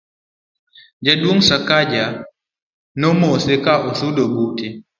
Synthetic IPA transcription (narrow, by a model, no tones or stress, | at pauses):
d͡ʒaduɔŋsakad͡ʒa | nɔmɔsɛkaʔɔsudɔbutɛ